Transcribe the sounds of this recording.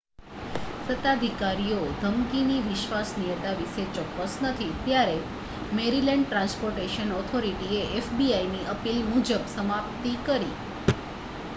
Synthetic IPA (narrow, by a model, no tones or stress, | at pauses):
sət̪ad̪ʱikaɾijod̪ʱəmkiniʋɪʃʋasnijət̪aʋiʃet͡ʃɔkːəsnət̪ʰit̪jaɾe | meɾileɳɖ̚ʈɾãnspoɾʈeʃənɔt̪ʰoɾiʈieʔefbiainiʔəpilmud͡ʒəbsəmapt̪ikəɾḭ